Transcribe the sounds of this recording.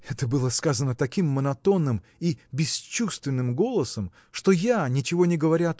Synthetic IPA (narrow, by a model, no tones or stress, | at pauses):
ɛt̪əbɨlˠəskazənət̪ɐkʲimːənɐt̪o̞nːɨm | ibʲɪst͡ɕust̪vʲɪnːɨmɡo̞lˠəsəm | ʂt̪ojanʲɪt͡ɕɪvo̞nʲɪɡəvɐɾʲaɐt̪